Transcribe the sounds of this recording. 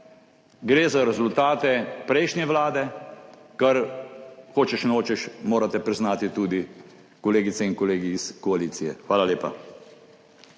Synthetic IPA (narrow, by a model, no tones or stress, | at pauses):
ɡɾeːzaɾɛzult̪aːt̪ɛpɾɛjʃnʲjɛʋlaːd̪ɛ | kɐɾ | xoːt͡ʃɛʃnoːt͡ʃɛʃmoːɾat̪ɛpɾiznaːt̪it̪uːd̪i | kɔleːɡit̪sɛinkɔleːɡiːskɔaliːt̪sijɛ̰xʋaːlaljeːpa̰